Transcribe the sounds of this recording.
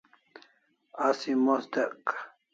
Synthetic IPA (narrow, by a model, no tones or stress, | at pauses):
asimost̪eq